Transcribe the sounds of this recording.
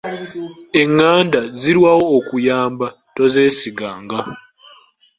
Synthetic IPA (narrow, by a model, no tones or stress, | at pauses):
eŋːaːndaziɾwaːwo̞ːkujaːmba | toze̞ːsiɡaːŋɡa